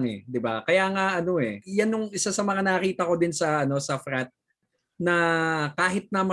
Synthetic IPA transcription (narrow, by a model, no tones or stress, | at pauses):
ŋɛ̰d̪ɪbakɐjaːŋaʔɐno̞ɛjanjʊŋʔɪsasɐmɐŋanɐɐkiːt̪ɐko̞d̪ɪnsɐɐno̞sɐfɾat̪̚ | nɐkaːɦɪt̪̚nɐmɐ